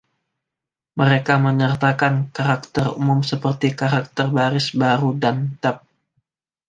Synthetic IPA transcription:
məɾekaməɲərt̪akankaɾak̚t̪ərumʊmsəpərt̪ikaɾak̚t̪ərbaɾɪsbaɾudant̪ap̚

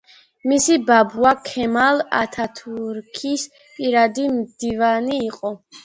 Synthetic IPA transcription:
misibabuakʰɛmala̰t̪ʰat̪ʰuɾkʰis | pʼiɾad̪imd̪̥ivaniːqʼɔ

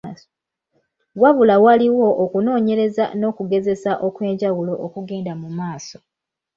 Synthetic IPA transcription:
waβulawaliwo̞ʔokuno̞ːɲe̞ɾe̞za̰no̞ːkuɡe̞ze̞saʔo̞kwe̞ːɲɟawulo̞ʔokuɡe̞ːndamumaːso

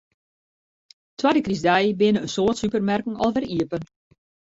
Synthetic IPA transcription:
twadəkrizdɛjbɪnəənsoːtsypərmɛrkŋ̩ɔlˠʋɛriəpən

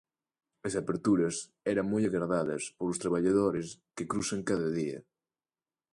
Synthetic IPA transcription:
ɐsapeɾt̪uɾɐs | ɛɾɐŋmojaɣɾaðaðɐ̰spoɾlʊst̪ɾaβaʎaðoɾɪskekɾusɐŋkaðɐðiɐ̰

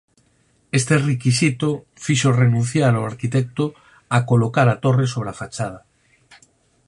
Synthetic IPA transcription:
est̪erekisit̪o | fiʃorenũn̟θjaɾawaɾkit̪ek̚t̪o | akolokaɾat̪o̞resoβ̞ɾeafat͡ʃað̞a

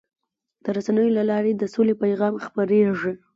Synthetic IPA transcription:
d̪̥əɾasanəjolalɑɾed̪əsolepajɣɑmxpaɾeʐi

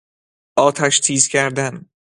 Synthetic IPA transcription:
ɒːt̪ʰaʃt̪ʰizɡʲaɾd̪an

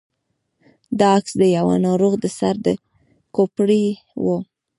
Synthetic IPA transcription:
d̪ɑaksd̪əjawa̰nɑɾoɣd̪əsaɾd̪ə | kopɽi | wo

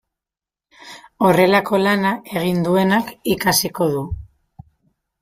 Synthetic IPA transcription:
o̞re̞lako̞lanae̞ɣ̞ind̪ue̞nakikasiko̞ðu

